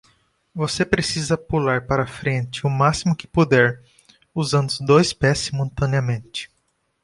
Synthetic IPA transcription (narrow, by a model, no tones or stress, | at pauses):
vosepɾesizɐpulaɾpaɾɐfɾẽnt͡ʃɪʊmasimʊkɪ̥pud̪ɛɾ | uzɐ̃nd̪ʊzd̪ojspɛsːimũt̪ɐ̃nɪɐmẽnt͡ʃɪ̥